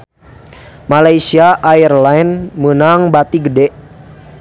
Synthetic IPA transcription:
malajsiaʔairlainmənaŋbat̪iɡədɛʔ

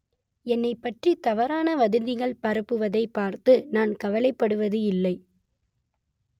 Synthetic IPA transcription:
ɛnːɐɪpːɐʈrit̪ɐʋɐɾaːnɐʋɐðɯnd̪ɪɣɐɭpɐɾɯpːɯʋɐðɐɪpːaːɾt̪ɯnaːnkɐʋɐlɐɪpːɐɽɯʋɐðɯɪlːɐɪ

